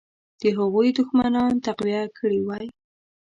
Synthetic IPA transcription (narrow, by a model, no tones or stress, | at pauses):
d̪̥əɦaɣujd̪ʊxmanɑnt̪aqwiakʰəɽiwɑj